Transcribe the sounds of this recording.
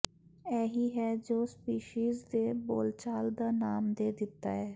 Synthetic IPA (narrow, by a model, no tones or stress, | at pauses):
ɛːɦiːɦɛːd͡ʒoːspiːʃiːzd̪eːbo̰ːlt͡ʃaːld̪aːnaːmd̪eːd̪ɪt̪ːa̰ːɦɛː